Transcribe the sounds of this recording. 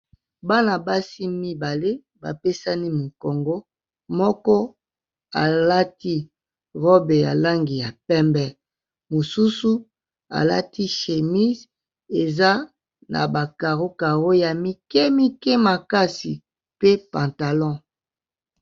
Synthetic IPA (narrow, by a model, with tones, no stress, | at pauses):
ba˦na˨ba˦si˦mi˦ba˨le˦ | ba̰˨pe˦sa˦ni˦mi˨ko˨ŋɡo˦ | mɔ˦kɔ˦ | a̰˨la˦ti˦ | ʁɔ˦be˨ja̰˨la˦ŋɡi˨ja˨pɛ˦mbɛ˦ | mo˨su˦su˦ | a̰˨la̰˦tʰi˦ʃe˨mi˦z | e˨za˦ | na̰˨ba˨ka˨ʁo˦ka˨ʁo˦ja˨mi˦kɛ˦mi˦kɛ˦ma˨ka˦si˨ | pe˦pã˨nta˨lɔ̃˦